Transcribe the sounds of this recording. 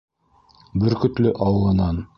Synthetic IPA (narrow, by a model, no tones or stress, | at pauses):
bɘɾkɵ̆t̪lɵʔɑwɤ̆lˠɤ̆nɑn